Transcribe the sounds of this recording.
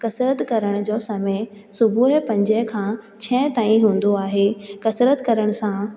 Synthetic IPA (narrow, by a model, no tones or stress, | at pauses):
kɐsɾət̪kɐɾəɽ̃d͡ʑoːsɐmesʊbʱuːɦpɐ̃ɲd͡ʑəɦkʰãː | t͡ɕʰɛ̃ːt̪aːĩɦũːn̆d̪oaːɦeːkɐsɾət̪kɐɾəɽ̃ʊsã